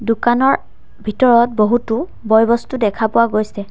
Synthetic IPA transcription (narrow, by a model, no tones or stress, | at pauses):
dukanɔɹ | bʱitɔɹɔt̚boɦutʊ | bɔjbɔstudɛkʰapʊwaɡojsɛ